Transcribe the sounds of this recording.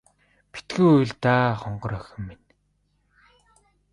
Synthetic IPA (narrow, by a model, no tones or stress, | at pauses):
pi̥t̪ɡŭjuj̆ɮt̪aːχɔɴɢɞ̆ɾœxʲɪ̆mːin